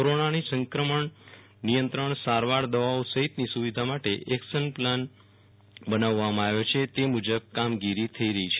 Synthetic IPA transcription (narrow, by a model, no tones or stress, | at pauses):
koɾonanisə̃ŋkɾəməɳ | nijənt̪ɾəɳsaɾʋaɾd̪əʋawosəɦit̪nisuʋid̪ʱamaʈeʔɛksənplan | bənaʋːamãaʋjot͡ʃʰet̪emud͡ʒəb̚kamɡiɾit̪ʰəiɾəɦit͡ʃʰe